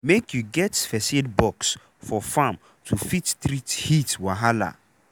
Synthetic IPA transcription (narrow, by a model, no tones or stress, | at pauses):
mekʰjuɡɛtfɛsedbɔks | fɔfãm | tʰufittɾithitwaɦala̰